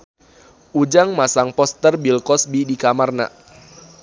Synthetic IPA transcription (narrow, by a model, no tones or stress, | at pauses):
ʔud͡ʒaŋmasaŋpɔst̪ərbilkɔsbidikamarna̰ʔ